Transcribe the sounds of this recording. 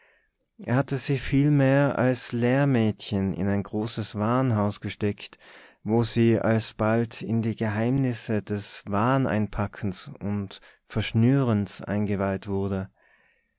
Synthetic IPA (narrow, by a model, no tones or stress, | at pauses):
ʔḛːɐhatəzɪçfiːlmeːɐʔa̰lsleːɐmɛːtçənɪ̰naɪnɡʁoːsəsv̥aːnɦaʊsɡ̥əʃtɛktvoːziːʔa̰lsb̥altʰɪndiːɡəɦaɪmnɪsədɛsvaːnʔa̰ɪnpʰakʰn̩sʊnt | fɛɐʃnyːʁənsʔa̰ɪnɡəvaɪltv̥ʊɐdə